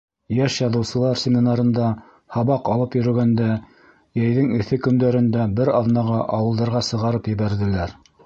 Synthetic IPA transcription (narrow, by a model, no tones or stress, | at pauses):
jæʃjɑðɤ̆wsɤ̆lˠɑɾsʲemʲinɑɾɤ̆nd̪ɑ | hɑβɑqɑlˠɤpjɵ̆ɾɵ̆ɡænd̪æ | jæjðɘŋɘ̆θɘkɵ̆nd̪æɾɘ̆nd̪æbɘɾɑðnɑʁɑʔɑwɤ̆lˠd̪ɑɾʁɑsɤ̆ʁɑɾɤpjɘ̆βæɾðɘ̆læɾ